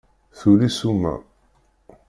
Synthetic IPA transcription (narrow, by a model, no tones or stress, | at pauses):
θulisumæ̰